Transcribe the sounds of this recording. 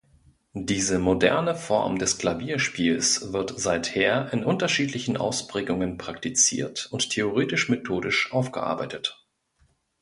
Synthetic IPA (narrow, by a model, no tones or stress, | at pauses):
d̥iːzəmodɛ̰ɐnəfɔ̰ɐmdɛsklaviːɐʃpiːlsv̥ɪɐtz̥aɪtheːɐʔɪnʔʊntɐʃiːtlɪçn̩ʔa̰ʊspʁ̥ɛːɡʊŋənpʁ̥aktit͡sḭːɐtʊnttʰːeoʁ̞eːtɪʃmetʰoːdɪʃʔaʊfɡ̥ə̰ʔa̰ɐba̰ɪtət